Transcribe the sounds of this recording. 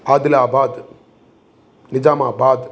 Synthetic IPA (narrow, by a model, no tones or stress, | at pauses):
aːd̪ɪlaːbaːd̪ | nɪd͡ʒaːmaːbaːd̪